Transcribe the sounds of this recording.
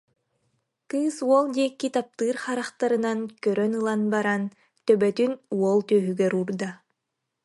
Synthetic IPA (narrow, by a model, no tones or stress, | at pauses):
kɯːsuɔlˠd̪iɛkːit̪ap̚t̪ɯːɾχaɾaχt̪aɾɯnankœɾœnɯlˠanbaɾan | t̪œbɛt̪ynuɔlˠt̪œːɦyɡɛɾuːɾd̪a